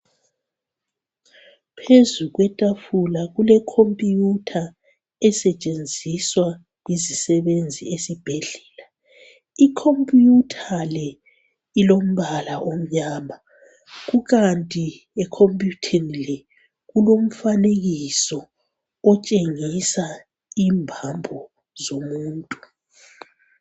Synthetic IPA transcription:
pʰezuɣwɛtʼafulaɣulɛkʰompʼijutʰa | ɛsɛt͡ʃʼend͡zʱiswa | izisɛβend͡zʱiesib̥ʱeɮɛːla | ikʰompʼutʰalɛ | ilom̩βalaʔom̩ɲaːma | ɣuɣantʼi | ɛkʰompʼjutʰinilɛ | ɣulom̩faneɣisɔ | ɔt͡ʃʼeŋisa | iːmbʱambʱɔ | zomuːntʼu

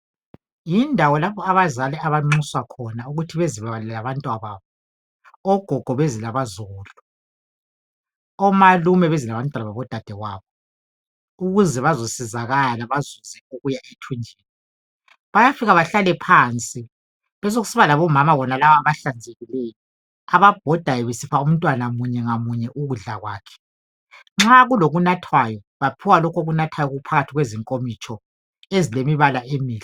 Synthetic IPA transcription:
jindʱawɔlaβɔaβazalɛaβaŋ͡ǀuswakʰɔnauɣutʰiβeziβaβaɛlaβantʼwaβaβɔ | ɔɡ̥ʱɔɡ̥ʱɔβezilaβazoːlu | ɔmalumɛβezilaβantʼwanaβaβɔd̥ʱad̥ʱɛwaβɔ | uɣuzɛβazosizaɣalaβazuzɛoɣujaʔetʰund͡ʒʱeːni | βajafiɣaβaɬalɛpʰant͡sʼi | βɛs̬oɣusiβalaβɔmamaβɔnalaβaβaɬand͡zʱeɣilejɔ | aβab̥ʱɔd̥ʱajɔβesipʰaum̩ntʼwanamuɲɛŋamuɲɛʔuɣuɮaɣwaːkʰɛ̥ | ŋ͡ǁaɣuloɣunatʰwajɔ | βapʰiwalɔkʰoɣunatʰwajɔɣuupʰaɣatʰiɣweziŋkʼomit͡ʃʰʼɔ | ezilemiβalaʔemiːli

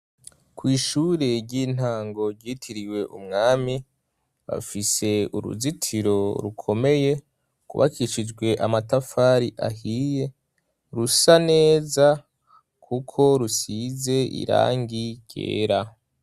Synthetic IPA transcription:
kwiːʃuːɾeɟiːn̥haːŋɡo̞ɾɟiːtʰiɾiwe̞ʔumŋaːmi | βa̰fise̞ṵɾṵzitʰiɾo̞ɾukʰo̞me̞je̞ | kṵβa̰kiʃid͡ʒɡwe̞ʔamatafaːɾiʔa̰ɦiːje̞ | ɾusane̞ːza | kʰukʰo̞ɾusize̞ḭɾa̰ːŋɡiɟ̥ḛːɾa

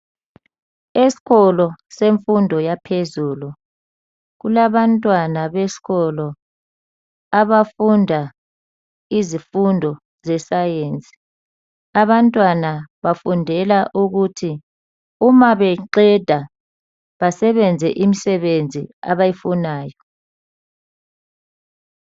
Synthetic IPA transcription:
esi̥ɣɔlɔseɱfundʱɔjapʰezuːlu | ɣulaβantʼwanaβesi̥ɣɔlɔ | aβafundʱa | izifundʱɔ | zɛsajeːnt͡sʼi̥ | aβantʼwanaβafundʱɛlaʔuɣutʰi | umaβɛǃɛd̥ʱa | βasɛβɛnd͡zʱɛʔimisɛβend͡zʱḭa̰βajifunaːjɔ

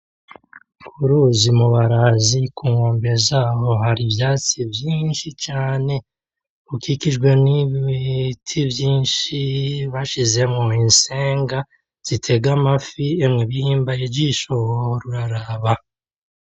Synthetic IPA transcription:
kʰuɾuzimuβaɾazikuːŋoːmbeɾezaːβo̞ɦaɾiβjaːt͡sivjiːnʃit͡ʃaːne̞ | ukikiʒɡwe̞niβitʰivjiːnʃiβaʃize̞mŋoinse̞ːŋɡa | z̥itʰe̞ɡamafiemŋeβihiːmbajed͡ʒiʃohoɾuɾaɾaβa

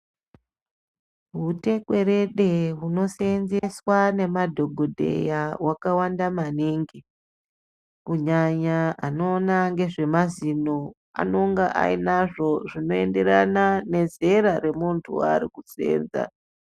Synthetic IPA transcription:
ɦute̞kwe̞ɾe̞ɗe̞ɦuno̞seenzeswane̞madʱo̞ɡʱo̞dʱe̞̰jawakawandamaniŋɡi | kuɲaɲaano̞ːnaŋɡe̞ʐe̞mazino | a̰no̞ŋɡaʔa̰inaʐo̞ʐino̞e̞nde̞ɾanane̞ze̞ɾaɾe̞muntʰṵa̰ɾikut͡sḛːnza̰

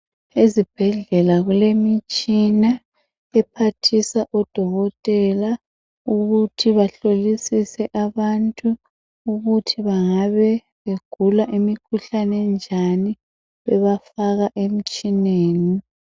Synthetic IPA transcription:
ezib̥ʱɛɮɛlaɣulemit͡ʃʼina | ɛpʰatʰisaʔɔd̥ʱɔɣɔtʼɛla | uɣutʰiβaɬolisisɛʔaβantʼuː | ɣutʰiβaŋaβɛ | βeɡ̥ʱulaʔimikʰuɬanɛnd͡ʒʱani | βɛβafaɣaʔem̩t͡ʃʼineːni

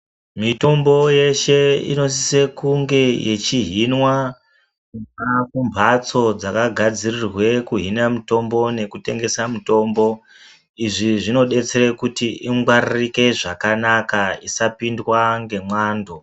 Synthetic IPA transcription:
mito̞mbo̞je̞ʃe̞ḭno̞s̬ise̞kuŋɡe̞je̞t͡ʃiɦinwa | kuakumbʱat͡so̞d͡zakaɡʱad͡zirirwe̞kuɦinamito̞mbo̞ne̞kute̞ŋɡe̞samuto̞ːmbo̞ | iʐiʐino̞ɗe̞t͡seɾekutiʔiŋɡwaririke̞ʐakanakaisapindwaŋɡe̞mwaːndo

